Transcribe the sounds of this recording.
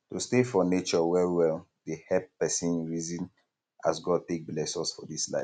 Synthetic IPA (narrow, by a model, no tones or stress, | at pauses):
tustefɔnet͡ʃɔwɛɹwɛl | dehɛppɛsĩnɹizĩn | ʔa̰sɡɔd̚tek̚blɛsɔsfɔdisla̰ɪf